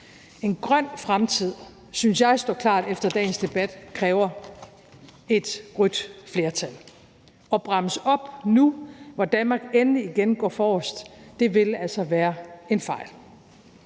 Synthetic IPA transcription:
e̝nɡ̥ʁɶn̰fʁamt͡sʰið̞̰ˠ | synsjɑ̈ɪsd̥ɒ̰ːkʰlɑ̰̈ːd̥efd̥ɐd̥ɛ̰ːn̩sd̥e̝b̥æd̥kʰʁɛːʊɐ | e̝d̥ʁyd̥fle̝ːɐt͡sʰæl | ɒ̽b̥ʁɑ̈məsɒ̽b̥nuʋɒd̥ænmɑ̈ːɡ̥enəliːɡ̥enɡ̥ɒ̰ːfɒːɔsd̥ːe̝ʋe̝læl̰sɐʋæːɐe̝nfɑ̈ɪ̰l

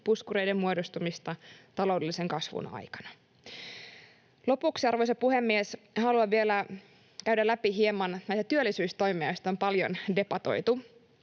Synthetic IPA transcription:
puskuɾe̞jdemːmuodost̪umist̪ɑt̪ɑlo̞wdeliseŋkɑsʋṵnɑ̰jkɑ̥nɑ̥ | lo̞puksiɑrʋojsepuhemːies | hɑluɑʋielæ | kæydælæpiɦiemɑnnæjst̪æt̪yølːˑisyːst̪o̞jmeɑjost̪ɑompɑljo̰nde̞pɑt̪o̞̰jt̪u

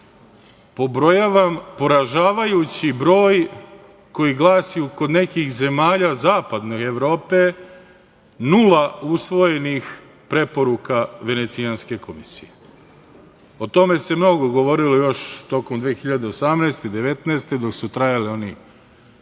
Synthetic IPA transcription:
po̞bɾojaʋampo̞ɾaʒaːʋajut͡ɕibɾo̞ːj | ko̞jiɡlˠaːsijuko̞d̪ne̞kixze̞maːʎazaːpad̪noeʋɾo̞ːpe̞ | nulausʋo̞je̞nix | pɾe̞po̞ɾukaʋe̞ne̞t̪sijanske̞ko̞misije | o̞t̪o̞me̞se̞mno̞ɡo̞ɡo̞ʋo̞ɾilo̞jo̞ʃt̪o̞komd̪ʋeːxiʎad̪e̞o̞samneːst̪ed̪e̞ʋe̞t̪nɛːst̪e̞d̪o̞ksut̪ɾajalio̞ni

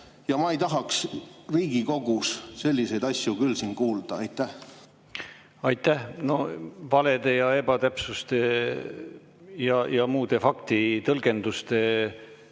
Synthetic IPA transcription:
jɑmɑejt̪ɑɦɑksriːɡ̥iko̞ɡ̥usse̞lʲːise̞jd̪ɑsʲjukylːsiːnkuːld̪̥ɑɑjt̪ˑːæh | ɑjt̪ːˑæhno̞vɑle̞d̪̥e̞jɑe̞b̥ɑt̪æpsust̪e | jɑjɑmuːd̪̥e̞fɑkt̪it̪ɤlɡ̥e̞nd̪̥ust̪e̞

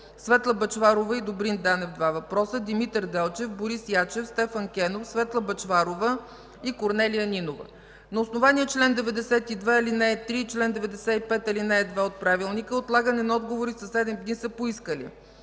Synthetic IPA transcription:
svɛt̪lˠəbɐt͡ʃvaɾovəid̪obɾind̪anɛvd̪vavɐpɾɔsəd̪imit̪əɾd̪ɛlˠt͡ʃɛfboɾisjat͡ʃɛfst̪ɛfəŋkʲɛnofsvɛt̪lˠəbɐt͡ʃvaɾovə | ikoɾnɛlijəninovə̰ | nɐosnovaniɛt͡ʃlɛnd̪ɛvɛd̪ɛsɛt̪id̪vɛilinɛɛt̪ɾit͡ʃlɛnd̪ɛvɛd̪ɛsɛipɛt̪ilinɛːd̪vɛot̪̚pɾavilˠnikəot̪lˠaɡənɛnɐɔd̪ɡovoɾisəsɛd̪ɛmd̪nisəpoiskəlḭ

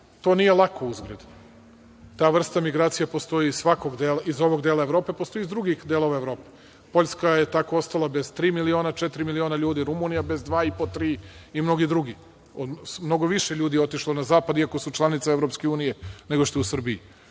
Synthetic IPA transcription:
t̪o̞ːnijelˠakouzɡɾed̪u | t̪aːʋr̩st̪amiɡɾaːt̪sijapo̞st̪o̞iːzsʋakoɡd̪elaizo̞ʋo̞ɡd̪e̞ːlˠaeʋɾo̞ːpe̞post̪o̞izd̪ɾuɡixd̪elˠo̞ʋaeʋɾo̞ːpe | po̞ʎʲskaje̞t̪ako̞ost̪alabe̞z̥t̪ɾiːmilio̞ːnat͡ʃet̪iɾimilio̞ːnaʎuːd̪iɾumunijabe̞zd̪ʋaːipot̪ɾiːimno̞ɡid̪ɾuɡi | od̪mno̞ɡoʋiʃeʎuːd̪ijeo̞t̪iʃlˠonazaːpad̪iako̞sut͡ʃlˠanit̪saeʋɾo̞pskeuːnije̞ne̞ɡo̞ʃt̪eusr̩bii

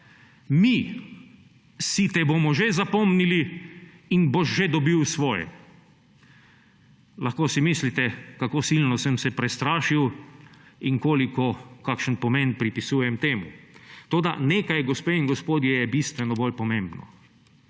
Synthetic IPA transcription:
mi | sit̪ɛbomɔʒezapɔmnili | inboʃʒed̪ɔbiwsʋɔːjɛ̰ | laxkoːsimislit̪ɛkakoːsilnɔsəmsɛpɾɛst̪ɾaːʃiw | iŋkoːlikɔkakʃənpɔmenpɾipisuːjɛmt̪eːmṵt̪oːd̪a̰neːkajɡɔspeːiŋɡɔspoːd̪jɛjɛbist̪ʋɛnɔbolpɔmẽmbnɔ̰

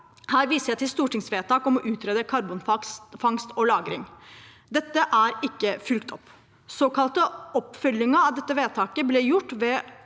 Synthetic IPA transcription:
hæːɾʋiːsəɾjæɪt̪ʰɪlst̪uːʈɪŋsʋeːt̪ʰɑːkɔmɔʔʉːt̪ʰɾeːd̪əkʰɑɾbʊnfɑfɑŋst̪ɔlɑːɡɾɪŋ | d̪ɛt̪ːəʔæɾɪkːəfʏlkt̪ɔpː | soːkʰɑlt̪əɔpfœljɪŋəɑʋd̪ɛt̪ːəʋeːt̪ʰɑːkəblɛːjʊʈːʋɛ

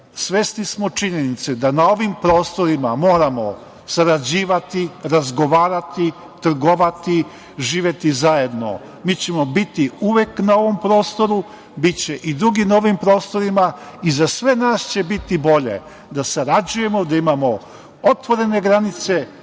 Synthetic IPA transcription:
sʋesnismo̞t͡ʃiɲenit̪sed̪anao̞ʋimpɾo̞ːst̪o̞ɾimamo̞ːɾamo̞̰ | saɾad͡ʑiːʋat̪iɾazɡo̞ʋaːɾat̪i | t̪r̩ɡoʋat̪i | ʒiːʋje̞t̪izaje̞d̪no̞̰ | miːt͡ɕe̞mo̞bit̪iuʋe̞knao̞ʋo̞mpɾo̞ːst̪o̞ɾu | bit͡ɕe̞ʔid̪ɾuɡinaoʋimpɾo̞ːst̪o̞ɾima | izasʋe̞naːst͡ɕe̞bit̪ibo̞ʎe̞̰ | d̪asaɾad͡ʑuje̞mo̞d̪aimamo̞ | ot̪ʋo̞ɾe̞ne̞ɡɾanit̪se̞

